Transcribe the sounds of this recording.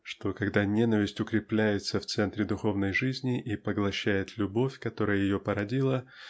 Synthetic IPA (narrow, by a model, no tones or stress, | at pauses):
ʂt̪o̞kɐɡd̪anʲenəvʲɪsʲtʲʊkɾʲɪplʲæjɪt̪səft̪sɛnt̪ɾʲɪd̪ʊxo̞vnəjʐɨzʲnʲɪʔipəɡlˠɐɕːæjɪt̪lʲʊbo̞fʲkɐt̪o̞ɾəjəjɪjo̞pəɾɐdʲilˠə